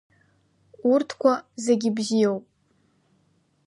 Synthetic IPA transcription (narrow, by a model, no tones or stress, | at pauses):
urtʰkʷʰazeɡʲɪbzijowpʼ